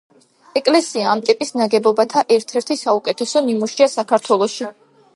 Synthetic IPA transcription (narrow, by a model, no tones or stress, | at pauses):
ɛkʼlɛsiaːmt̪ʼipʼisnaɡɛbɔbat̪ʰaʔɛɾt̪ʰɛɾt̪ʰisaukʼɛt̪ʰɛsɔnimuʃiasakʰaɾt̪ʰwɛlˠɔʃi